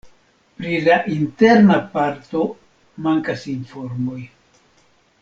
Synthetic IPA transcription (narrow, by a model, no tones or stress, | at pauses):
pɾilaʔinte̞ɾnapaɾto̞ | maŋkasinfo̞ɾmo̞j